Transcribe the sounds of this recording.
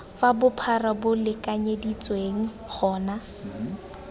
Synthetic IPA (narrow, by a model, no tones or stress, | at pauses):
fabʊpʰarabʊlɪkʼaɲedit͡sʼweŋ̩ | χʰɔːna